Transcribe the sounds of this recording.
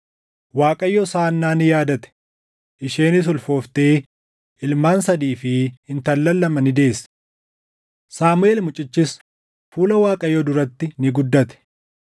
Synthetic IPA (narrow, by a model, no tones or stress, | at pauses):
waːkʼɐjːɔsaːnːaːnɪjaːd̪ɐt̪ɛ̥ | ʔɪʃeːnɪs̬ʊlfo̞ːft̪e̞ː | ʔɪlmaːnsɐd̪iːfɪhɪnt̪ɐlːɐlːɐmɐnɪd̪e̞ːsɐ̥ | saːmʊeːlmʊt͡ʃʼɪt͡ʃːɪs | fuːlɐwaːkʼɐjɔd̪ʊɾɐt̪ːɪnɪɡʊd̪ːɐt̪ɛ̥